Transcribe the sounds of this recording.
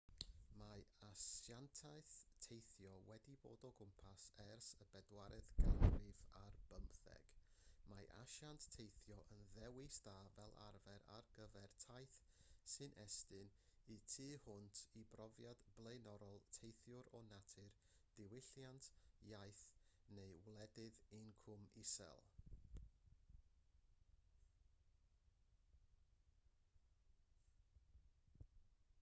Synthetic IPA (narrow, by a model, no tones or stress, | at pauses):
maasjantʰajθtʰejθjɔwɛdibo̰ːdɔɡʊmpʰasɛrsəbɛdwaɾɛðɡ̥anrɪvarb̥əmpθɛ̰ɡ̥maʔa̰ʃantʰːejθjɔʔənðɛwɪsd̥aːvɛlˠa̰rvɛɾa̰rɡəvɛrtʰajθ | sɨnʔɛstɨnitʰɨːhʊntʰibrɔvjad̥b̥lˠejnɔɾɔlˠtʰejθjʊɾɔnatʰɨr | d̥ɪwɪɬjantʰjajθnejwlˠɛdɨðɪnkʰʊmɪsɛ̰lˠ